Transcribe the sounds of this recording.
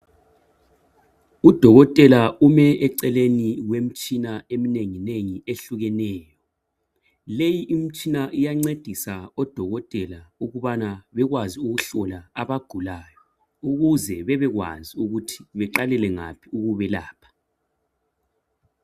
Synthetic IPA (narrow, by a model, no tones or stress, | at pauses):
ud̥ʱɔɣɔtʼɛlaumɛɛǀɛleniwem̩t͡ʃʼinaemineŋineŋieɬuɣɛnɛːjɔ | lejiʔim̩t͡ʃʼinaʔijaŋ͡ǀed̥ʱisaɔd̥ʱɔɣɔtʼɛlauɣuβanaβɛɣwaziuɣuɬɔlaaβaɡ̥ʱulaːjɔ | uɣuzɛβɛβɛɣwa̰ziuɣutʰi̥βɛǃalɛlɛŋa̰pʰiuɣuβɛlaːpʰḁ